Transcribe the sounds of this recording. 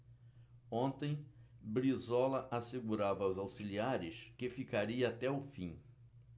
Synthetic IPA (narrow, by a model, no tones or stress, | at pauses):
õnt̪ẽj̃bɾizɔlɐʔaseɡuɾavɐʊzawsiliaɾɪskɪfikaɾiɐat̪ɛʊfĩ